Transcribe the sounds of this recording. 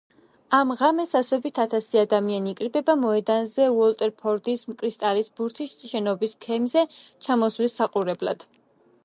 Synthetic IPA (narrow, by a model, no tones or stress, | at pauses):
amʁamɛsasɔbit̪ʰat̪ʰasiad̪amianiːkʼɾibɛbamɔɛd̪anzɛuɔlt̪ʼɛɾpʰɔɾd̪ismkʼɾist̪ʼalisbuɾt̪ʰisʃɛnɔbiskʰɛmzɛt͡ʃʰamɔswlisːaqʼuɾɛbla̰d̪̥